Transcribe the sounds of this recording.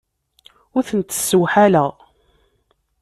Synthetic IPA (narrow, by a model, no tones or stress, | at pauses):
ʊɾθənt̪ːə̥sːəwħalæʁ